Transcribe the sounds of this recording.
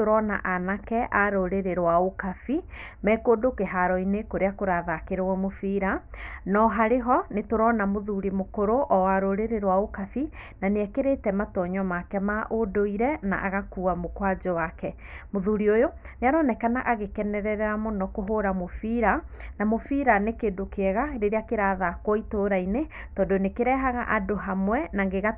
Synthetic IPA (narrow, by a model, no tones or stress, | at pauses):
oɾɔna̰ʔanakɛʔaɾoɾeɾeɾwaokafi | mɛkodokeɦaɾɔinekoɾeakoɾaðakeɾewɔmofiɾanɔɦaɾeɦɔnetoɾɔnamoðuɾimokoɾoʔɔwaɾoɾeɾeɾwaokafi | naneɛkeɾetɛmatɔɲɔmakɛmaʔodoiɾɛna̰ʔa̰ɣakuːamokwad͡ʒowakɛ | moðuɾiojoneaɾɔnɛkanaʔaɣekɛnɛɾɛɾɛɾamonɔkoɦoɾamofiɾanamofiɾanekeːdokeɛɣaɾeɾeakeɾaːðakwɔitoːɾainetɔːndonekeɾɛɦaɣaʔadoɦamwɛnaŋɡeɣa